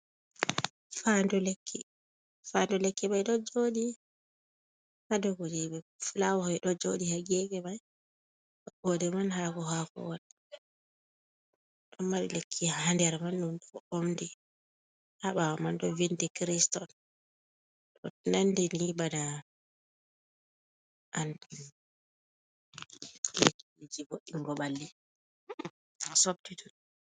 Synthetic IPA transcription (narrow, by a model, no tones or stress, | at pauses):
fandɔlekʰːi | fandɔlekːimajɗɔd͡ʒodi | hadɔɡɔd͡ʒɛbɛfulawɔhɛjɗɔd͡ʒodihaɡɛɡɛmaj | aɓɔdɛmanhakɔɦakɔ̰wan | ɗɔmːaɗɔlekʰːihandɛɾmanːumɗɔomdi | haɓawamandɔvindɛkɾistɔn | tɔnandɛnibada | ʔandi | lekːilid͡ʒivoɗːiŋɡɔbalːi | sob̚titu